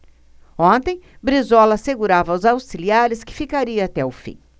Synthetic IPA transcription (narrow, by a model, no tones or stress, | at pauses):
õnt̪ẽj̃bɾizɔlɐseɡuɾavɐwzawsiliaɾɪskɪ̥fikaɾiɐat̪ɛʊfḭ̃